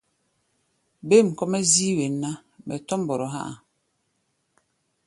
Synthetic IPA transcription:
be˦˨m̩˨kɔ˦mɛ˦zi˦we˨nːa˦ | mɛ̰˨tɔ˦m˦bɔ˨ɾɔ˨ɦa̰˦ʔa˨

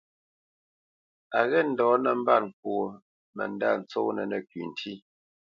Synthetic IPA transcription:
a˨ɣɛ˦˨n̩˨dɔː˨˦nə˨m̩˦ba˦˨ŋ̩˨k̚wo˨ | mə̰˨n˦da̰˦˨n̩˨t͡so˦nə˨nə˨kɥi˨n̩˨tʰi˦

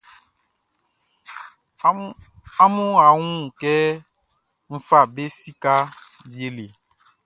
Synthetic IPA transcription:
a˦mũ˦a˨ŋũ˦˨kɛ˦ | m̩˦fa˦˨be˦si˦ka˦ | vi˨˦e˦le˨

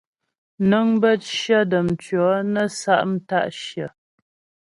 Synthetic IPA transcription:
nə˦ŋbə˦t̚ʃjə˦də˨m̩˨t͡ʃɥɔ˨˦nə˦sa˦ʔm̩˦ta˦˨ʔʃjə˨

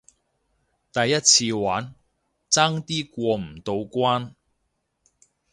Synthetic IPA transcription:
t̪ɐ˨jːɐ˥t̚t͡sʰiː˧waː˨˥n | t͡saː˥ŋt̪iː˥kʷɔː˧m̩˨˩t̪o˧wkʷwaː˥n

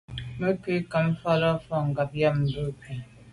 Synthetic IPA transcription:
me˦ke˦ka˨m̩˦fɔ˦ɾɔ˦fɔ˦ŋ̩˨ɡa˨p̚ja˦mm̩˨bu˦˨ki˨

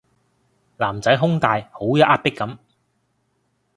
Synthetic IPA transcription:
laː˨˩mt͡sɐ˨˥jɦʊ˥ŋt̪aː˨˧jho˨˥wjɐ˨˥ʔaː˥t̚pɪ˥kːɐ˨˧˥m

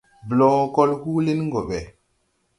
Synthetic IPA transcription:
blɔ˨kɔ˦lhu˦le˦nŋɡɔ˨ɓɛ˨

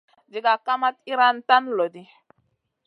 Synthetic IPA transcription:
d͡ʒi˨ɡa˨ka˦ma˦t̚i˦ɾa˦nta˦nlo˨di˦

